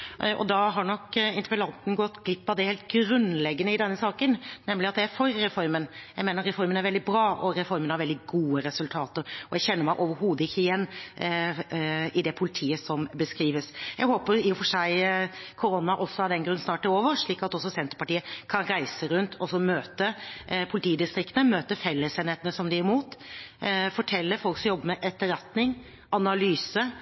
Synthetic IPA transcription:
ʔɔ̰d̪ɑɦɑɳɔkːɪnt̪əɾpəlɑnt̪n̩ɡɔt̪ːɡlɪpːɑd̪ɛheːlt̪ɡɾʉnlɛɡːənəɪd̪ɛnːəsɑːkənnɛmlɪɑt̪̚d̪ɛæɾfɔɾːɛfɔɾmənjæɪmeːnəɾɾɛfɔɾmənæɾʋɛld̪ɪbɾɑːʔɔɾɛfɔɾmənhɑɾʋɛld̪ɪɡuːəɾɛsʉlt̪ʰɑːt̪əɾɔjæçɛnːəɾmæɪʔoʋəɾɦuːd̪əɪçːəɪjɛnː | ɪd̪ɛpʰʊlɪt̪ʰiːəsɔmbəskɾiːʋəsjæɡhoːpəɾɪʊfɔʂæɪkʰʊɾɔnːɑʔɔsːɔhɑd̪ɛnɡɾʉnːsnɑːʈ̪̚æɾoːʋəɾʂɭiːkɑt̪ɔsːɔsɛnt̪ɾəpɑʈiːəkʰɑnɾæɪsəɾʉnt̪ʰɔsːɔmøːt̪əpʰʊlɪt̪ʰiːd̪ɪst̪ɾɪkt̪nəmøːt̪əfɛlːəseːnheːt̪ənəsɔmd̪ɪæɾmuːt̪ | fɔʈʰɛlːəɾfɔlksɔmjɔbːəmɛʔɛt̪ːəɾɛt̪nɪŋ | ʔɑnɑlyːsə

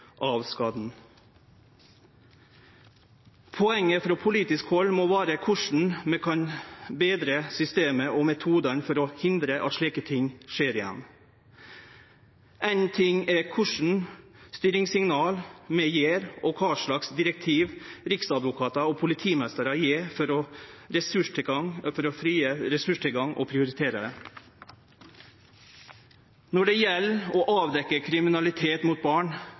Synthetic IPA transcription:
ʔɑʋskɑːd̪n̩ | pʰɔɛŋːəfɾɔːpʰʊliːt̪ɪskhɔlmoːʋæːɾəkʰʊʂɳ̩mɛkʰɑnbeːd̪ɾəsʏst̪eːməʔɔmɛt̪ʰuːd̪ənfɔɾɔhɪnd̪ɾəʔɑ̰t̪ʂɭiːkət̪ʰɪŋʂeːɾɪjɛ̰nː | ʔɛnt̪ʰɪŋɛkʰʊʂɳ̩st̪yːɾɪŋsɪŋnɑːlmɛjeːɾɔkʰɑːʂɭɑksd̪ɪɾɛk̚t̪ʰiːʋɾɪksɑd̪ʋʊkʰɑːt̪ɑɔpʰʊlɪt̪ʰiːmɛst̪əɾɑjeːfɔɾɔɾɛsʉʂʈʰɪɑŋfɔɾɔfɾiːəɾɛsʉʂʈ̪ʰɪlɡɑŋʔɔ̰pʰɾɪʊɾɪt̪ʰeːɾəd̪ɛ | nɔɖɛjɛlːɔʔɑːʋd̪ɛkːəkʰɾɪmɪnɑlɪt̪ʰeːt̪muːt̪̚bɑːɳ

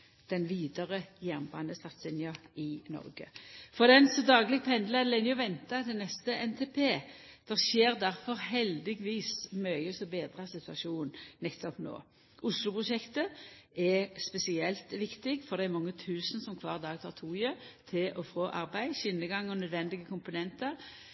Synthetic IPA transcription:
d̪̥ɛnʋiːd̪əʁəjæʁnbɑ̰nd̪əst̪ɑt̪sɪnjɑɪnɔ̰ʁɡə̰fɔʁd̪ɛnsɔd̪ɑːɡlɪɡ̚pʰɛnd̪ləd̪lɛnːɪjʊʋɛnt̪ɑt̪ʰɛnɛst̪əɛnt̪ʰeːpʰeːd̪̥ɛʁʃeːʁd̪æʁfɔʁɦɛld̪ɪɡʋiːsmœʏəsɔbeːd̪ʁɑsɪt̪ʉɑʃuːnnɛt̪ːɔpno̰ː | ʔʊslʊpʁʊʃɛkt̪əɛspɛsɪɛlt̪ʋɪkt̪ɪɡfɔʁd̪ɛɛmɑŋːət̪ʰʉːsən̩sɔmkʰʋɑ̰ːʁd̪ɑːɡt̪ʰɑːʁt̪ʰuːjət̪ʰɪlʔɔfʁoːʔɑʁbæɪʃɪnːəɡɑŋːɔnœd̪ʋɛnd̪ɪɡəkʰʊmpʊnɛnt̪əʁ

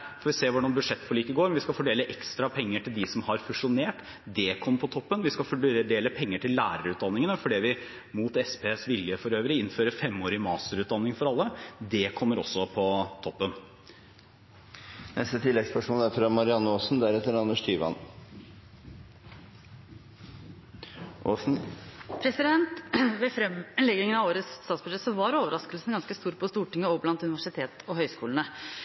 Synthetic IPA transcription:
fɔːɾʋɪseːʋʊɖɑnbʉd̪ʂɛt̪ːfɔɭiːkəɡoːɾnʋɪskɑfɔɖeːləʔɛkst̪ɾɑpʰɛŋːəʈɪld̪ɪsɔmhɑɾfʉʂʊneːʈ | d̪ɛkʰɔmːəpʰɔt̪ʰɔpːənʋɪskɑfɔɖɖeːləpʰɛŋːəʈʰɪlːæːɾəɾʉːt̪̚d̪ɑnːɪŋənəfɔɖɛːʋɪ | muːt̪ɛspeːsʋɪljəfɔɾøːʋɾɪɪnføːɾəfɛmːoːɾɪmɑːst̪əɾʉːt̪d̪ɑnːɪŋfɔɾɑlːəd̪ɛkʰɔmːəɾɔ̰sːɔpʰɔt̪ʰɔpːən | nɛ̰st̪ət̪ʰɪlːɛɡspʰæʂunəæɾfɾɑmɑɾɪɑnːəoːsn̩d̪æɾɛt̪ːəɾɑnəʂt̪yːʋɑ̰n | on̩pʰɾɛsɪd̪ɛnt̪ʋɛfɾɛmlɛɡɪŋənɑʋoːɾət̪sst̪ɑːt̪sb̥ʉʂɛt̪sɔʋɑɾoːʋəɾɑskəlsənɡɑnskəst̪uːɾpʰɔst̪uːʈɪŋːəɔblɑnt̪ʉnɪʋæʂɪt̪ʰeːt̪ɔhœʏskuːlnə

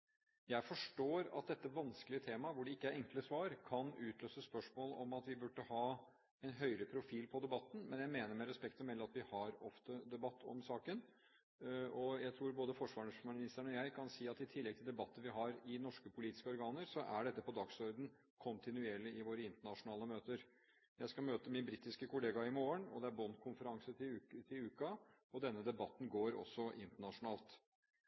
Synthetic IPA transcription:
jæɪfɔʂʈoːɾɑ̰t̪̚d̪ɛt̪ːəʋɑnskəlɪət̪ʰeːmɑʋʊɖɛɪkːəæɾʔɛŋkləsʋɑːɾkʰɑnʉːt̪ʰløːsəspœʂmoːlɔmɑt̪ʋɪbʉɖːəhɑː | ɛnɦœʏɾəpʰɾʊfiːlpʰɔd̪ɛbɑt̪ːn̩mɛnjæɪmeːnəɾmɛɾɛspɛkt̪fɔmɛlːəɑt̪ʋɪhɑɾɔft̪əd̪ɛbɑt̪ːɔ̰msɑːkən | ɔjæɪt̪ʰɾuːɾboːd̪əfɔʂʋɑːɳəsmɪnnɪst̪əɾɳɔjæɪkʰɑnsiːɑt̪ɪt̪ʰɪlːɛɡ̚t̪ʰɪld̪ɛbɑt̪ːəʋɪɦɑɾɪnɔʂkəpʰʊliːt̪ɪ̥skəɔɾɡɑːnəɾsɔʔæɖɛt̪ːəpɔd̪ɑɡsɔɾd̪n̩ | kʰʊnt̪ɪnʉeːɭɪɪʋoːɾəɪnt̪əɳɑʂʊnɑːləmøːt̪əɾ | jæɪskɑmøːt̪əmɪnbɾiːt̪ɪskəkʰʊleːɡɑɪmoːəɳɔd̪ɛæɾbɔnːkʰʊnfəɾɑŋsət̪ʰɪt̪ʰɪlʉːkɑɔd̪ɛnːəd̪ɛbɑt̪ːn̩ɡoːɾɔ̰sːɔʔɪnt̪əɳɑʂʊnɑːlt̪

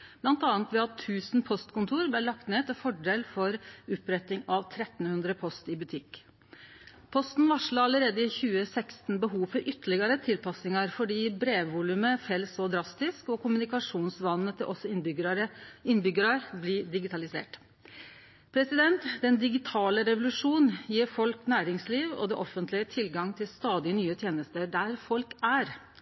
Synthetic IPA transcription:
blɑnt̪ɑːnt̪ʋɛɑt̪ʰːʉːsnpʰɔst̪kʊnt̪ʰuːɾblɛlɑk̚t̪neːt̪ʰɪlfɔɖeːlfɔɾʉpɾɛt̪ɪŋɑʋt̪ʰɾɛt̪n̩hʉnd̪ɾəpʰɔst̪ɪbʉt̪ʰɪkː | pʰɔst̪n̩ʋɑʂɭɑɑləɾeːd̪əɪçʉːəsɛkst̪nbəɦuːfɔɾʔʏt̪ːəɭɪɡɑɾət̪ʰɪlpɑsnɪŋɑɾfɔɖiːbɾeːʋʋulʉməfɛlːsɔd̪ɾɑst̪ɪskɔkʰʊmʉnɪkɑʂuːnsʋɑnːət̪ʰɪlʔɔsːɔɪnbʏɡɾəɪnːbʏɡəɾɑɾblɪɖɪɡɪt̪ɑlɪsḛːʈ | pʰɾɛsɪd̪ɛnt̪d̪ɛnd̪ɪɡɪt̪ʰɑːləɾɛʋʊlʉʂuːnjiːɾfɔlknæːɾɪŋsliːʋɔ̰d̪ɛ̰ʔɔfənt̪lɪət̪ʰɪlɡɑŋt̪ʰɪlst̪ɑːd̪ɪnyːət̪ʰjeːnəst̪əɖ̪æɾfɔlkæɾ

